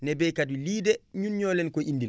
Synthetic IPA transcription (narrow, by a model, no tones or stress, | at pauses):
nɛbɛjkaduliːdɛɲunɲɔːlɛnkɔʔindil